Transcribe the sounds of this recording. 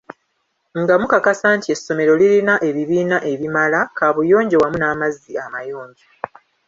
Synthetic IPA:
ŋɡamukakasaːntie̞sːo̞me̞ɾo̞lilinaʔe̞βiβiːnaʔe̞βimalakaβujo̞ːɲɟewamunaːmazːiamajo̞ːɲɟe

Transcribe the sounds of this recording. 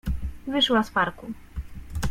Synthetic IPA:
vɘʂwaspaɾku

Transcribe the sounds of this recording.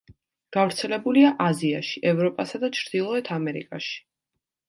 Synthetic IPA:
ɡ̥avɾt̪sʰɛlɛbuliaʔazia̰ʃi̥ʔɛvɾɔpʼasad̪at͡ʃʰɾd̪̥ilˠɔɛt̪ʰamɛɾḭkʼaʃi̥

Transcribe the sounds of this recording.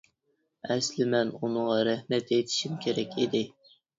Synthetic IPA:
ɛslɪmɛnunɨŋʁɑɾæhmɛt̪et̪ʰɪ̥ʃimkʲʰeɾɛkʲʰid̪ɪ

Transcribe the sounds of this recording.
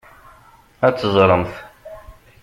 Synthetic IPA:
æt͡sːəzˤɾˤəmθ

